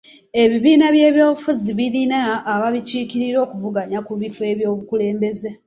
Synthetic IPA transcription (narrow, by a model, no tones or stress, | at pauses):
e̞βiβiːnaβje̞ːβjoːβufuziβiɾinaːβaβiciːkiɾiɾo̞ːkuvuɡaɲakuβife̞ːβjo̞ːβukule̞ːmbe̞ze̞